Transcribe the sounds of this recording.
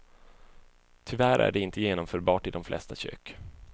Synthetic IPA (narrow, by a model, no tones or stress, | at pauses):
t̪ʰʏvæɾʔæ̰ɖɛɪnt̪ʰəjeːnɔmfœːɾbɑːʈɪd̪ɔmflɛ̰st̪aɕø̰ːk